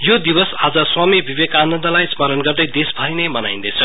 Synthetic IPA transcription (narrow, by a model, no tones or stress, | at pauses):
jod̪ibʌsad͡zʌswamibʱibekanʌnd̪ʌlajsmʌɾʌnɡʌrd̪ʌjd̪esbʱʌinejmʌnaĩnd̪ʌjt͡sʰʌ